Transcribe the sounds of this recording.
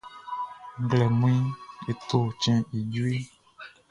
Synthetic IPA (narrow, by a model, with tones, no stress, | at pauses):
ɡlɛ˨mũ˦ĩ˦e˨t̪o˦˨t͡ʃɛ̃˧i˨d͡ʒu˦i˦